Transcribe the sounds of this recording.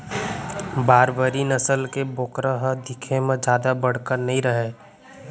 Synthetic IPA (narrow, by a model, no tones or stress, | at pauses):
baːɾbəɾinəsəlkeboːkɾəɦəd̪ɪkʰemẽd͡ʒjaːd̪abəɽ̤kəɾnəɦĩɾəɦe